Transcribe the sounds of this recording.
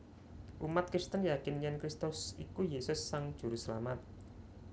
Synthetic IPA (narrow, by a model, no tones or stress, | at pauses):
ʔumat̪̚kɾist̪ənjakɪnjɛnkɾist̪ʊsikujesʊsːaŋd̥ʒ̥ṳɾusəla̰mat̪̚